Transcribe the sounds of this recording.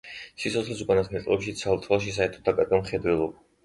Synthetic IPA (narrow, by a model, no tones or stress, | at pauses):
sit̪sʰɔt̪sʰlisukʼanasmɛt̪sʼlɛpʃit̪sʰalˠt̪ʰlˠaʃ̬is̬aɛɾt̪ʰɔd̪akʼaɾɡamχɛd̪wɛlˠɔba